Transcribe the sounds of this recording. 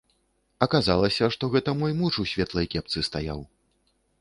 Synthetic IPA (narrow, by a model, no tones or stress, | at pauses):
ɐkazalˠɐsʲɐʂt̪ɔɣɛt̪ɐmɔjmuʂusʲvʲɛt̪lˠɐjkʲɛp̚t̪sɨst̪aja̰w